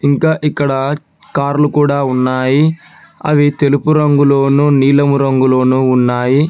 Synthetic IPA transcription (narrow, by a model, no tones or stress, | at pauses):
iŋkaːʔikːɐɽɐ | kaːɾlukuːɽaːunːaːji | ɐʋit̪e̞lupuɾɐŋɡuloːnuniːlɐmuɾɐŋɡulo̞ːnuːnːaːji